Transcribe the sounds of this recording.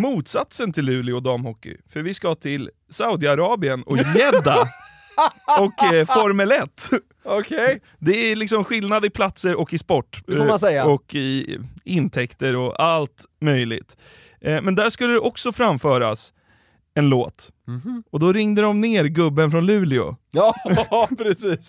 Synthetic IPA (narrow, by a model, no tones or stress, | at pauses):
muːt̪sat̪sənt̪ʰɪlːʉ̟ːlɪɔd̪ɑːmhɔkːɪ̰fœɾvɪskat̪ʰɪl | saʊd̪ɪaɾɑːbɪənɔjɛd̪ːa | ɔkfɔɾmɛlɛt̪ː | ɔkʰɛ | d̪ɛælɪksɔmɧɪlnad̪ɪpʰlat̪səɾɔkːɪspɔʈːsɛjaɔkɪɪnt̪ʰɛkt̪əɾɔalt̪mœjlɪ̰ɡt̪ | mɛnd̪æʂkɵlːəd̪ɛʔɔksɔfɾamfœːɾa̰s | ɛnloːt̪ | ɔd̪ɔɾɪŋd̪əd̪ɔmneːɾɡɵbːənfɾɔnlʉ̟ːlɪʊ̰ | pʰɾɛsiːs